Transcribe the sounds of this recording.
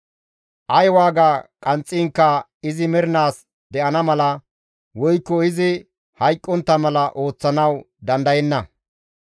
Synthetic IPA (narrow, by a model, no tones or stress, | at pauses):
ʔɐjwaːɡakʼɐnt͡sʼːɪːŋkːɐ | ɪzɪmɛɾɪnaːs | d̪ɛʔɐnɐmɐlɐ | wɔjkːɔɪzɪ | hɐjkʼːɔnt̪ːɐmɐlɐʔo̞ːt͡sːɐnɐw | d̪ɐnd̪ɐjɛnːɐ